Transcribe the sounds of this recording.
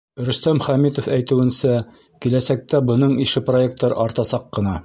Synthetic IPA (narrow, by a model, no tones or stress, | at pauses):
ɾɵ̆st̪æmχæmit̪ofæjt̪ɘ̆wɘ̆nsæ | kilæsæk̚t̪æbɤ̆nɤɴiʃɘproek̚t̪ːɑɾɑɾt̪ɑsɑqːɤ̆nɑ